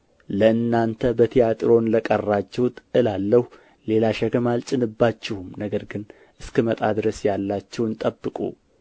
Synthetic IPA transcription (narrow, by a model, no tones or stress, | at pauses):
ləɨnːant̪ʰəbət̪ʰijat̪ʼɾo̞nləkʼərːat͡ʃːɛwt̪ɨlalːəhu | le̞laʃəɡəmalt͡ʃʼɨnɨbːat͡ʃːɛhumnəɡəɾɡɨn | ʔɨskɨmət̪ʼad̪ɾəsjalːat͡ʃːɛwnt̪ʼəbːɨkʼṵ